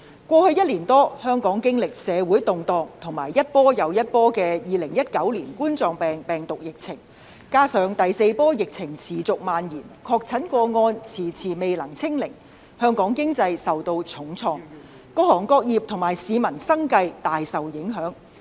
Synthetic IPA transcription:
kʷɔː˧hɵ˧ɥjɐ˥t̚liː˨˩nt̪ɔː˥hœː˥ŋkɔː˨˥ŋkɪ˥ŋlɪ˨k̚sɛː˨˧wuː˨˥jt̪ʊ˨ŋt̪ɔː˨ŋt̪ʰʊ˨˩ŋmaː˨˩jːɐ˥t̚pɔː˥jɐ˨˧wjɐ˥t̚pɔː˥kɛː˧jiː˨lɪ˨˩ŋjɐ˥t̚kɐ˨˥wliː˨˩nkuː˥nt͡sɔː˧ŋpɛː˨ŋpɛː˨ŋt̪ʊ˨k̚jɪ˨k̚t͡sʰɪ˨˩ŋ | kaː˥sœː˨˧ŋt̪ɐ˨jse˧jpɔː˥jɪ˨k̚t͡sʰɪ˨˩ŋt͡sʰiː˨˩t͡sʊ˨k̚maː˨njiː˨˩nkʰɔː˧k̚t͡sʰɐ˨˥nkʷɔː˧ŋɔː˧nt͡sʰiː˨˩t͡sʰiː˨˩me˨jlɐ˨˩ŋt͡sʰɪ˥ŋlɪ˨˩ŋ | hœː˥ŋkɔː˨˥ŋkɪ˥ŋt͡sɐ˧jsɐ˨wt̪o˧wt͡sʰʊ˨˥ŋt͡sʰɔː˧ŋ | kɔː˧˥hɔː˨˩ŋkɔː˧k̚jiː˨˩p̚t̪ʰʊ˨˩maː˨˩jsiː˨˧mɐ˨˩nsɐ˥ŋkɐ˧jt̪aː˨jsɐ˨wjɪ˨˥ŋɦœː˨˥ŋ

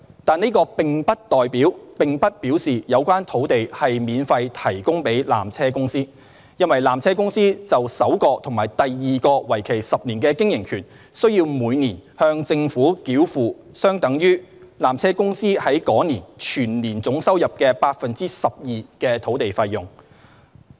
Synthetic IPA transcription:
t̪aː˨niː˥kɔː˧pɪ˨˩ŋpɐ˥t̚t̪ɔː˨jpiː˨˥wpɪ˨ŋpɐ˥t̚piː˨˥wsiː˨˩jɐ˨˧wkwaː˥nt̪ʰo˨˥wt̪e˨jhɐ˨jmiː˨˧nfɐ˧jt̪ʰɐ˨˩jkʊ˥ŋpe˨˥jla̰ː˨mt͡sʰɛː˥kʊ˥ŋsiː˥ | jɐ˥nwɐ˨jlaː˨˩mt͡sʰɛː˥kʊ˥ŋsiː˥t͡sɐ˨wsɐ˨˥wkɔː˧t̪ʰʊ˨˩ŋmaː˨˩jt̪ɐ˨jːiː˨kɔː˧wɐ˨˩jkʰe˨˩jsɐ˨p̚niː˨˩nkɛː˧kɪ˥ŋjɪ˨˩ŋkʰyː˨˩n | sɵ˥ɥjiː˧wmuː˨˧jniː˨˩nhœː˧ŋt͡sɪ˧ŋfuː˨˥kiː˨˥wfuː˨ | sœː˥ŋt̪ɐ˨˥ŋjyː˥laː˨˩mt͡sʰɛː˥kʊ˥ŋsiː˥hɐ˨˥jkɔː˨˥niː˨˩nt͡ʃʰyː˨˩nliː˨˩nt͡sʊ˨˥ŋsɐ˥wjɐ˨p̚kɛː˧paː˧t̚fɐ˨nt͡siː˥sɐ˨p̚jiː˨kɛː˧t̪ʰo˨˥wt̪e˨jfɐ˧jjʊ˨˩ŋ

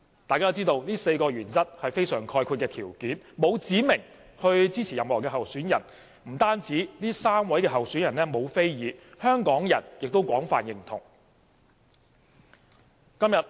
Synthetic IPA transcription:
t̪aː˨jkaː˥t͡siː˥t̪o˧wniː˥se˧jkɔː˧ɥyː˨˩nt͡sɐ˥t̚hɐ˨jfe˥jsœː˨˩ŋkʰɔː˧jkʰuː˧t̚kɛː˧t̪ʰiː˨˩wkiː˨˥nmo˨˧wt͡siː˨˥mɪ˨˩ŋ | hɵ˧ɥt͡siː˥t͡sʰiː˨˩jɐ˨mhɔː˨˩kɛː˧ɦɐ˨wsyː˨˥njɐ˨˩n | m̩˨˩t̪aː˥nt͡siː˨˥niː˥saː˥mwɐ˨˥jkɛː˧ɦɐ˨wsyː˨˥njɐ˨˩nlɛː˥mo˨˧wfe˥jjiː˨˧hœː˥ŋkɔː˨˥ŋjɐ̰˨˩njɪ˨k̚t̪o˥wkʷɔː˨˥ŋfa̰ː˨njɪ˨˩ŋt̪ʰʊ̰˨˩ŋ | kɐ˥mjɐ˨t̚

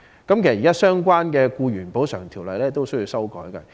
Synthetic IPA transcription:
kɐ˨˥mke˨˩sɐ˩˨i˨kaː˥sœː˥ŋkʷaː˥nkɛː˧kuː˧ɥyː˨˩npo˨˥wsœː˨˩ŋt̪ʰiː˨˩wlɐ˨jlɛː˥t̪o˥wsɵ˥jiː˧wsɐ˥wkɔ̰ː˨˥jkɐ̰˧

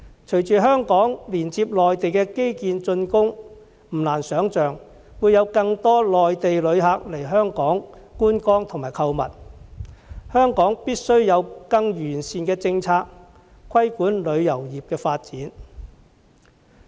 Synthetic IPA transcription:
t͡ʃʰɵ˨˩ɥt͡ʃyː˨˩ɦœː˥ŋkɔː˨˥ŋliː˨˩nt͡siː˧p̚lɔː˨jt̪e˨jkɛː˧ke˥jkiː˧nt͡ʃɵ˧nkʊ˥ŋ | m̩˨˩laː˨˩nsœː˨˥ŋt͡ʃœː˨ŋ | wuː˨˧jɐ˨˧wkɐ˧ŋt̪ɔː˥lɔː˨jt̪e˨jlɵ˨˧ɥɦa˨˧k̚le˨˩jɦœː˥ŋkɔː˨˥ŋ | kuː˥nkɔː˥ŋt̪ʰʊ˨˩ŋmaː˨˩jkʰɐ˧wmɐ̰˨t̚ | hœː˥ŋkɔː˨˥ŋpiː˥t̚sɵ˥ɥjɐ˨˧wkɐ˧ŋjyː˨˩nsiː˨nkɛː˧t͡sɪ˧ŋt͡sʰaː˧k̚ | kʰwɐ˥jkuː˨˥nlɵ˨˧ɥjɐ˨˩wjiː˨p̚kɛː˧faː˧t̚t͡siː˨˥n

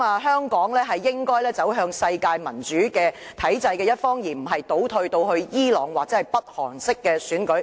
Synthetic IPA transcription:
maː˨˧ɦœː˥ŋkɔː˨˥ŋlɛː˥ɦɐ˨jːɪ˥ŋkɔː˥jlɛː˥t͡sɐ˨˥wɦœː˧ŋsɐ˧jkaː˧jmɐ˨˩nt͡ʃyː˨˥kɛː˧t̪ʰɐ˨˥jt͡sɐ˧jkɛː˧jɐ˥t̚fɔː˥ŋjiː˨˩m̩˨˩ɦɐ˨jt̪o˨˥wt̪ʰɵ˧ɥt̪o˧whɵ˧ɥjiː˥lɔː˨˩ŋwaː˨t͡sɛː˨˥ɐ˨jpɐ˥t̚hɔ̰ː˨˩ŋsɪ˥kːɛː˧syː˨˥nkɵ˨˥ɥ

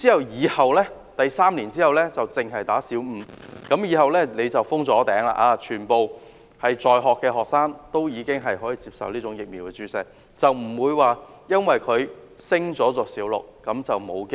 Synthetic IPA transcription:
t͡siː˥hɐ˨˩wjiː˨˧hɐ˨wlɛː˥ | t̪ɐ˨jsaː˥mnliː˨˩nt͡siː˥hɐ˨˩wlɛː˥t͡sɐ˨wt͡sɪ˨ŋɦɐ˨jt̪aː˨˥siː˨˥wm̩ː˨˧kɐ˨˥mjiː˨˧ɦɐ˨wlɛː˥ne˨˧t͡sɐ˨wfʊ˥ŋt͡sɔː˨˥t̪ɛː˨˥ŋla̰ː˨˩ʔaː˧t͡ʃʰyː˨˩npo˨˧w | hɐ˨jt͡sɔː˨jɦɔː˨kːɛː˧ɦɔː˨k̚saː˥ŋt̪o˥wjiː˨˧kɪ˥ŋɦɐ˨jɦɔː˨˥jiː˨˧t͡siː˧p̚sɐ̰˨wliː˥t͡sʊ˨˥ŋjɪ˨k̚miː˨wkɛ˧t͡syː˨˥sɛ˨˥k̚ | t͡sɐ˨wm̩˨˩wuː˨˧jwaː˨ | jɐ˥nwɐ˨jkʰɵ˨˧ɥ | sɪ˥ŋt͡sɔː˨˥t͡sɔː˧siː˨˥wlʊ̰˨k̚ːɐ˨˥mt͡sɐ˨wmo˨˧wkɪ˥

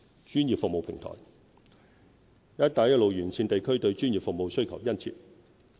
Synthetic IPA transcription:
t͡ʃyː˥njiː˨p̚fʊ˨k̚mo˨wpʰɪ̰˨˩ŋt̪ʰɔ̰ː˨˩j | jɐ˥t̚t̪aː˨˥jɐ˥t̚lo˨wjyː˨˩nt͡sʰiː˧nt̪e˨jkʰɵ˥ɥt̪ɵ˧ɥt͡ʃyː˥njiː˨pfʊ˨k̚mo˨˧wsɵ˥ɥkʰɐ˨˩wjɐ˥nt͡sʰḭ˧t̚

